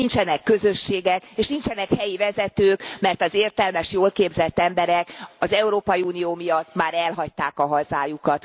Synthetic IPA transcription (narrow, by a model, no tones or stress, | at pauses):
int͡ʃɛnɛkːø̞zø̞ʃːeːɡɛkeːʃnint͡ʃɛnɛkhɛjivɛzɛt̪øːkmɛrt̪ɒzeːrt̪ɛlmɛʃjoːlkeːbzɛt̪ːɛmbɛɾɛkɒzɛuɾoːpɒjiuːnijoːmijɒt̪ːmaːɾɛlɦɒc̚t̪aːkɒɦɒzaːjukɒt̪